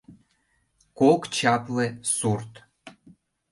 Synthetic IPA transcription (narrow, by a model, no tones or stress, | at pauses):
kokt͡ɕɑplesurt̪